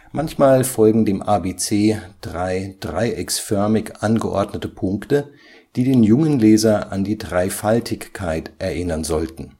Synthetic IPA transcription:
mʔançmaːlfɔlɡŋ̩deːmʔaːbeːt͡seːd̥ʁaɪd̥ʁaɪʔɛksfœɐmɪçʔanɡəʔɔ̰ɐdnətəpʰʊŋktə | d̥iːdeːnjʊŋənlɛːzɐʔandiːdʁaɪfaltʰɪçkʰːaɪtʔɛɐʔɪnɐnzɔltn̩

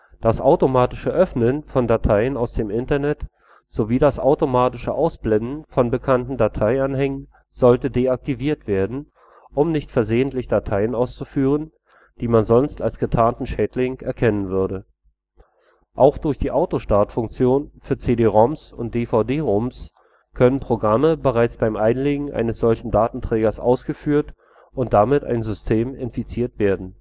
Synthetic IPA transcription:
d̥asʔaʊtomaːtɪʃəʔœfnənfɔndatʰaɪənaʊsd̥eːmʔɪntɐnɛt | z̥oviːdasʔa̰ʊtomaːtɪʃəʔaʊsb̥lɛndn̩fɔnbəkʰantn̩datʰaɪanhɛŋən | z̥ɔltədeːak̚tiviːɐtv̥eːɐdn̩ | ʔʊmnɪçtfɛɐzeːəntlɪçd̥atʰaɪənaʊst͡sufyːʁ̞ən | d̥iːmanzɔnstalsɡ̥ətʰaːntn̩ʃɛːtlɪŋʔɛɐkʰɛnənvʏɐdə | ʔaʊxd̥ʊɐçd̥iːʔaʊtoʃtaɐtfʊŋk̚t͡sjoːnfyːɐt͡seːdeːʁɔmsʊ̰nt̚d̥eːfaʊdeːʁɔms | kʰœnənpʁ̥oɡʁaməbəʁaɪt͡sb̥aɪmʔaɪnleːɡŋ̩ʔa̰ɪnəsz̥ɔlçn̩daːtn̩tʁ̥ɛːɡɐsʔa̰ʊsɡ̥əfyːɐt | ʔʊnt̚d̥amɪta̰ɪnzʏstʰeːmɪnfit͡siːɐtv̥eːɐdn̩

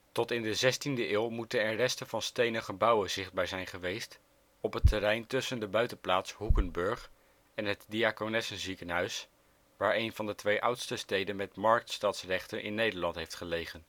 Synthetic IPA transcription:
tɔtɪndəzɛstindəʔɪːlˠmutənɛɹrɛstəvɑnstejnəχəbɑwənzɪχd̚baːɹzɛjnχəʋejst | ɔpɦətʰərɛjntɵsəndəbœɥtənplaːtsɦukənbɵɹχ | ɛnɦətdiaːkonɛsənzikənɦœɥs | ʋaːɹejnvɑndətʋejʔʌwtstəstejdənmɛtmɑɹk̚tstɑːtsrɛχtənʔɪ̰nːejdəɹlɑntɦejftχəlejχən

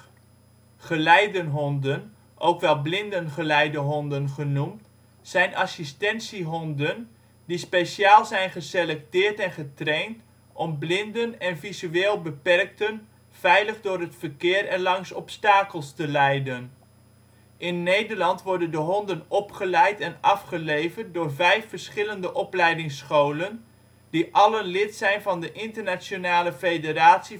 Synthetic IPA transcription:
χəlɛjdənɦɔndən | ʔowkʋɛlˠblɪndənχəlɛjdəɦɔndənχənumt | z̥ɛjnʔɑsistɛnsiɦɔndən | dispejʃjaːlˠzɛjnχəselɛk̚tɪːrtɛnχətrejnt | ʔɔmblɪndənɛnvizyeːlˠbəpɛrk̚tən | v̥ɛjləχdʊːɾɦətfəɹkɪːɾɛnlɑŋsɔpstaːkəlˠstəlɛjdən | ʔɪnːejdəɹlɑntʋɔɹdəndəɦɔndənɔpχəlɛjtɛnɑfχəlejvərt̚dʊːrvɛjfəɹsχɪləndəʔɔplɛjdɪŋsχowlən | d̥iʔɑlənlɪtsɛjnvɑndəʔɪntərnat͡ʃonaːləfejdəɾaːtsi

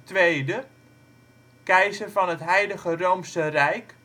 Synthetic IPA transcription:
tʋejdə | kɛjzərvɑnətɦɛjdəχərowmsərɛjk

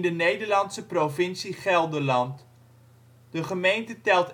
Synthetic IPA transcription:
ndənejdərlɑntsəprofɪnsiχɛlˠdəlɑnt | d̥əχəmejntətɛlˠt

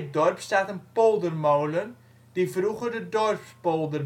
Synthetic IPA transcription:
dɔrpstatənpɔlˠdərmowlən | d̥ifruχərdədɔrpspɔlˠdər

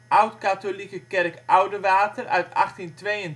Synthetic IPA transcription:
ʔawtkatolikəkɛrkʔawdəʋaːtərʔœ̰ɥtɑ̰χtintʋejən

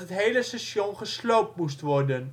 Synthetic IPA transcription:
ɦətɦejləsɛsjɔnχəslowp̚mustʋɔrdən

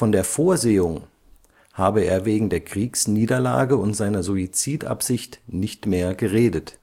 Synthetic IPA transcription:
fɔndeːɐfoːɐzeːʊŋ | haːbəeːɐveːɡŋ̩deːɐkʁ̥iːksniːdɐla̰ːɡəʊntz̥aɪnɐzuit͡siːtʔa̰pz̥ɪçtnɪçtmeːɐɡəʁeːdət

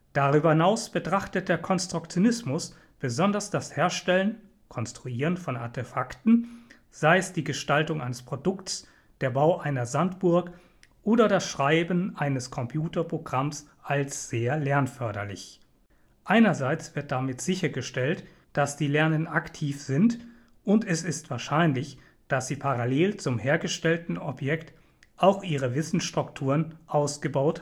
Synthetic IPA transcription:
d̥aʁyːbɐhɪnaʊsb̥ətʁ̥aχtət̚d̥eːɐkʰɔnstʁ̥ʊkt͡sjonɪsmʊs | b̥əzɔndɐsd̥asheːɐʃtɛlən | kʰɔnstʁ̥uiːʁ̞ənfɔna̰ɐtʰefaktn̩ | z̥aɪəsd̥iːɡəʃtaltʊŋʔaɪnəspʁ̥odʊks | d̥eːɐbaʊʔaɪnɐzantb̥ʊɐk | ʔoːdɐdasʃʁ̥aɪbən̩ʔaɪnəskʰɔmpʰjuːtɐpʁ̥oɡʁamsʔalsz̥eːɐlɛɐnfœɐdɐlɪ̰ç | ʔaɪnɐzaɪt͡sv̥ɪɐt̚d̥amɪtz̥ɪçɐɡəʃtɛlt | d̥asd̥iːlɛɐnənaktʰiːfz̥ɪnt | ʔʊntɛsɪstv̥aːɐʃaɪnlɪç | d̥asz̥iːpʰaʁaleːlt͡sʊmheːɐɡəʃtɛltn̩ɔpjɛkt | ʔaʊxʔiːʁəvɪsn̩sʃtʁ̥ʊktʰuːʁənʔaʊsɡ̥əbaʊt

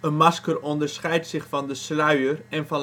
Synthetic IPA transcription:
ənmɑskərɔndəɹsχɛjtsɪχfɑndəslœɥərɛnfɑn

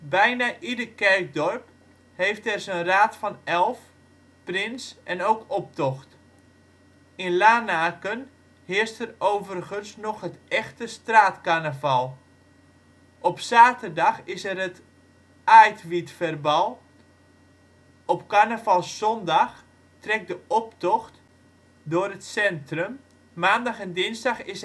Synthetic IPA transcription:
bɛjnaʔidəkɛrk̚dɔrp | hejftɛrsənraːtfɑnɛlˠf | prɪnsʔɛnowkɔp̚tɔxt | ɪnlaːnaːkən | hɪəstɛrowvərχənsnɔχɦətɛxtəstraːtkanəvɑlˠ | ʔɔpsaːtərdɑxɪsɛrət | ajtʋitfərbɑlˠ | ɔpkanəvɑlˠsɔndɑx | trɛk̚dəɔptɔxt | dʊərətsɛntrəm | maːndɑxɛndɪnzdɑxɪs

